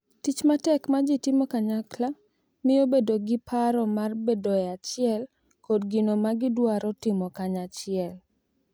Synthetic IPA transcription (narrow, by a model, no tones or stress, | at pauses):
tit͡ʃmatɛkmad͡ʒɪtɪmɔkaɲakla | mɪobedoɡɪpʰaɾɔmarbedoɛat͡ʃɪɛl | kodɡɪnomaɡɪdwaɾɔtɪmɔkaɲat͡ʃɪɛl